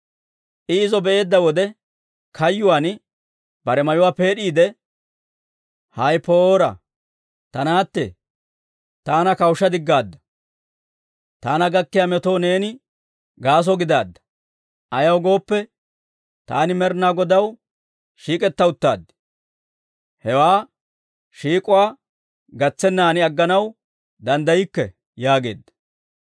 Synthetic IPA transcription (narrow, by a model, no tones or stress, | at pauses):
ʔɪɪzɔbɛʔe̞ːd̪ːɐwɔd̪ɛ | kʰɐjːʊwaːn | bɐɾɛmɐjʊwaːpe̞ːɗiːd̪ɛ | hɐjpoːɾɐ̰ | t̪ɐnaːt̪ːɛ̰ | t̪aːnɐkɐwʃːɐd̪ɪɡːaːd̪ːɐ̥ | t̪aːnɐɡɐkːɪjamɛt̪o̞ːne̞ːnɪ | ɡaːs̬ɔɡɪd̪aːd̪ːɐ̥ | ʔɐjɐwɡo̞ːpːɛ | t̪aːnɪmɛɾnaːɡɔd̪ɐw | ʃiːkʼɛt̪ːɐʊt̪ːa̰ːd̪ːɪ̥ | hɛwaː | ʃiːkʼʊwaː | ɡɐt͡sːɛnːaːnɪɐɡːɐnɐw | d̪ɐnd̪ɐjɪkːɛ | jaːɡe̞̰ːd̪ːɐ̥